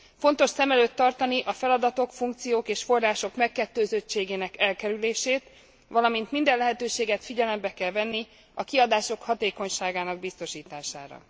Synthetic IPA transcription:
fo̞nt̪o̞ʃsɛmɛløːt̪ːɒrt̪ɒniʔɒfɛlɒd̪ɒt̪o̞kfuŋk̚t̪sijoːkeːʃfo̞rːaːʃo̞kmɛkːɛt̪ːøːzøt͡ʃeːɡeːnɛkɛlkɛɾyleːʃeːt̪ | ʋɒlɒmint̪mind̪ɛlɛɦɛt̪øːʃeːɡɛt̪fiɟɛlɛmbɛkɛlvɛnːi | ɒkiɒd̪aːʃo̞khɒt̪eːko̞ɲʃaːɡaːnɒɡ̚bist̪o̞ʃiːt̪aːʃa̰ːɾɒ̰

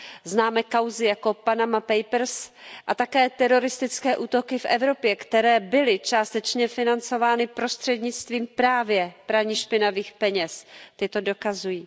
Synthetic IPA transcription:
znaːmɛːkawzɪjakopanamapɛjpɾ̩sʔat̪akɛːt̪ɛɾo̞ɾɪst̪ɪt͡skɛːʔuːt̪o̞kɪfʔɛvɾo̞pjɛkt̪ɛɾɛːbɪlɪt͡ʃaːst̪ɛt͡ʃɲɛfɪnant͡so̞vaːnɪpɾo̞st̪r̝̥ɛdɲɪt͡st̪viːmpɾaːvjɛpɾavɲiʃpɪnaviːxpɛɲɛst̪ɪt̪o̞do̞kazujiː

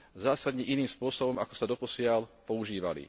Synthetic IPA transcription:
zaːsad̪ɲɛʔiniːmspʊɔsɔbɔmakɔ̥sad̪ɔpɔsɪalpɔuʒiːʋa̰lḭ

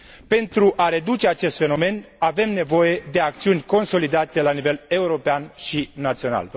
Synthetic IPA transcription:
pe̞nt̪ɾuʔaɾe̞d̪ut͡ʃe̞at͡ʃe̞st̪fe̞no̞me̞nave̞mne̞vo̞je̞d̪e̞ak̚t̪siunʲko̞nso̞lid̪at̪e̞lanive̞le̞uɾo̞peanʃinat̪sio̞na̰lv

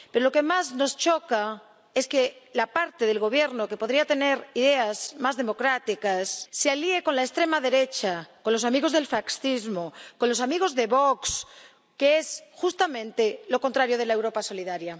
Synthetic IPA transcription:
peɾo̞lo̞ke̞mazno̞st͡ʃo̞ka | e̞skelapaɾt̪eðe̞lɣo̞β̞je̞ɾnoke̞po̞ðɾiat̪e̞ne̞ɾiðe̞azmazðemo̞kɾat̪ikasːealie̞ko̞nlaest̪ɾe̞maðe̞ɾe̞t͡ʃako̞nlo̞s̬amiɣ̞ozðe̞lfaksθizmoko̞nlo̞s̬amiɣ̞o̞zðe̞βoks | keesxust̪amẽnt̪elo̞ko̞nt̪ɾaɾjoð̞e̞laewɾo̞paso̞liðaɾja

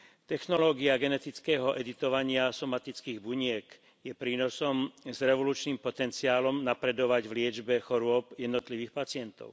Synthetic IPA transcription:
t̪ɛxnɔlɔːɡiaɡɛnɛt̪it͡skɛːɦɔʔɛd̪it̪ɔʋaɲɪasɔmat̪it͡skiːɣbuɲɪɛk | jɛpɾiːnɔsɔmzɾɛʋɔluːt͡ʃniːmpɔt̪ɛnt͡siaːlɔmnapɾɛd̪ɔʋaɟʋlɪɛd͡ʒbɛxɔɾʊɔpjɛd̪nɔt̪liʋiːxpat͡sɪɛnt̪ɔ̰ʊ

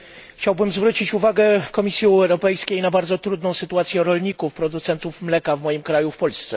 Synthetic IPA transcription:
xt͡ɕawbɘmzvɾut͡ɕit͡ɕuvaɡɛkɔmʲisʲjiɛɛwɾɔpɛjskʲejnabaɾd̪zɔt̪ɾud̪nɔ̃w̃sɘt̪uat̪sʲjɛɾɔlɲikufpɾɔd̪ut̪sɛnt̪ufmlɛkavmɔjimkɾajufpɔlst̪sɛ

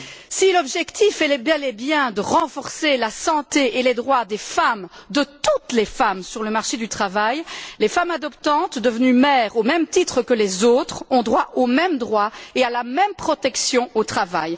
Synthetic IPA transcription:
silɔbʒɛkt̪ifɛlɛbɛ̃lebjɛ̃d̪əʁɑ̃fɔʁselasɑ̃t̪eʔeled̪ʁwad̪efamd̪ət̪ut̪lefamsyʁləmaʁʃed̪yt̪χavajlefamad̪ɔpt̪ɑ̃t̪d̪əvənymɛʁomɛmt̪it̪χəkəlezot̪χɔ̃d̪ʁwaʔomɛmd̪ʁwaealamɛmpχɔt̪ɛksjɔ̃ot̪χavaj

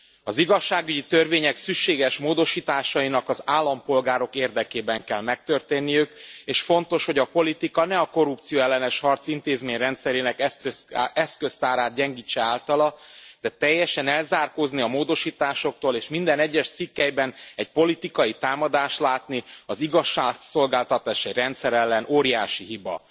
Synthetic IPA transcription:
ɒziɡɒʃːaːɡyɟit̪ørveːɲɛksykʃeːɡɛʃmoːd̪o̞ʃiːt̪aːʃɒjinɒkɒzaːlːɒmpo̞lɡaːɾo̞keːrd̪ɛkeːbɛŋkɛlmɛk̚t̪ørt̪eːnːijykeːʃfo̞nt̪o̞ʃho̞ɟɒpo̞lit̪ikɒnɛɒko̞rup̚t̪sijoːɛlːɛnɛʃhɒrt̪sint̪eːzmeːɲrɛnt̪sɛɾeːnɛkɛɛskø̞st̪aːɾaːt̪̚ɟɛŋɡiːt͡ʃːɛaːlt̪ɒlɒd̪̥ɛt̪ɛjːɛʃɛnɛlzaːrkoːzniɒmoːd̪o̞ʃiːt̪aːʃo̞k̚t̪oːleːʃmind̪ɛnɛɟːɛʃt̪sikːɛjbɛnɛc̚po̞lit̪ikɒjit̪aːmɒd̪aːʃt̪laːt̪niɒziɡɒʃːaːso̞lɡaːlt̪ɒt̪aːʃɛjrɛnt̪sɛɾɛlːɛnʔoːɾijaːʃiɦibɒ̰

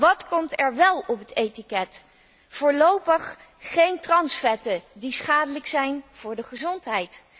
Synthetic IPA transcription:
ʋɑtkɔmtɛɹʋɛlˠɔpətejtikɛt | fʊːɹlowpəχː | ejntrɑnsfɛtədisχaːdələksɛjnv̥ʊːɹdəχəzɔntɦɛjt

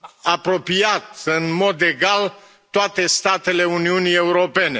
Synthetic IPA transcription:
apɾo̞piat̪ɨnmo̞d̪e̞ɡal | t̪oat̪e̞st̪at̪e̞le̞uniunijeuɾo̞pe̞ne̞

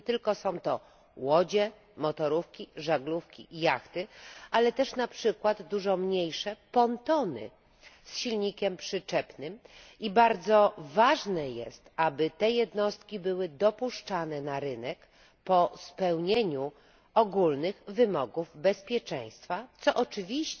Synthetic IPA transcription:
t̪ɘlkɔsɔ̃w̃t̪ɔ | wɔd͡ʑɛ | mɔt̪ɔɾufkʲiʐaɡlufkʲḭjaxt̪ɘalɛt̪ɛʂnapʂɘkwad̪ːuʐɔmɲejʂɛpɔnt̪ɔnɘ̰ | sɕilɲikʲɛmpʂɘt͡ʂɛpnɘmibaɾd̪zɔvaʐnɛjɛ̰st̪abɘt̪ɛjɛd̪nɔst̪kʲibɘwɘd̪ɔpuʂt͡ʂanɛnaɾɘnɛk | pɔspɛwɲeɲu | ɔɡulnɘɣvɘmɔɡuvbɛspʲjɛt͡ʂɛj̃st̪fat̪sɔʔɔt͡ʂɘvʲiɕt͡ɕ

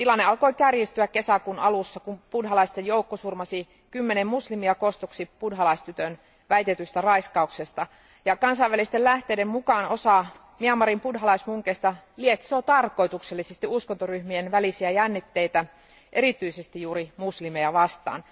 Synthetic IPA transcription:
t̪ilɑnːeɑlkoikærjist̪yækkesækunɑlusːɑkumpudɦɑlɑist̪ejjoukːosurmɑsi | kymːenemmuslimiɑkost̪oksipudɦɑlɑist̪yt̪øn | ʋæjt̪et̪yst̪ærɑiskɑuksest̪ɑ | jɑkɑnsɑiʋælist̪ellæht̪eidemmukɑːnosɑˑ | miɑmːɑɾimpudɦɑlɑismuŋkest̪ɑliet̪sot̪ɑrko̞it̪ukselːisest̪iuskont̪oryhmienʋælisiæjænːit̪ːeit̪æ | ʔeɾit̪yisest̪ijjuːɾimuslimejæʋɑst̪ɑ̰ːn

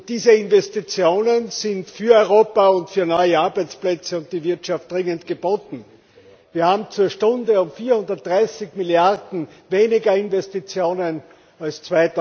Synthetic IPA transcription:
d̥iːzəɪnvɛstit͡sjoːnənz̥ɪntfyːɐɔʏʁoːpaʊntfyːɐnɔʏəaɐbæɪt͡splɛt͡səʊnt̚d̥ivɪɐtʃaft̚d̥ʁɪŋəntɡ̥əb̥oːtn̩ | viːɐhaːbm̩t͡suːɐʃtʊ̃ndəʊmfiːɐhʊndɐt̚dʁaɪsɪçmɪljaʁdn̩ | veːnɪɡɐɪnvɛstit͡sjoːnən | alst͡sv̥aɪt

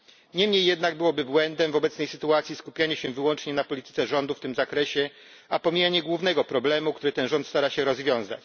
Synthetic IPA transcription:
ɲɛmɲejːɛd̪naɡbɘwɔbɘbwɛnd̪ɛmvɔbɛt̪snɛjsɘt̪uat̪sʲjiskupʲjaɲɛɕɛvɘwɔnt͡ʂɲɛnapɔlʲit̪ɘ̥t̪sɛʐɔnd̪uft̪ɘmzakɾɛɕɛ | apɔmʲijaɲɛɡwuvnɛɡɔpɾɔblɛmuk̚t̪uɾɘt̪ɛnʐɔnt̪st̪aɾaɕɛɾɔzvʲjɔ̃w̃za̰t͡ɕ

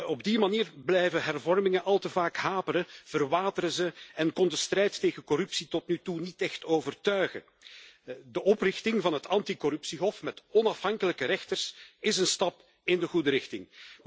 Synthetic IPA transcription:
ɔbdimaniːrblɛjvəɦɛrvɔrmɪŋəʔɑlˠtəvaːkɦaːpəɾəv̥ərʋaːtəɾəzəɛnkɔndəstrɛjtːeːɣənkɔrɵpsitɔtnytunitɛxtoːvərtœɥɣə̰ | dəʔɔprɪxtɪŋvɑnɦətʰɑntikɔɾɵpsiɦɔfmɛtɔnɑfɦɑŋkələkəɾɛxtərsɪzənstɑp | ɪndəɣudəɾɪxtɪŋ

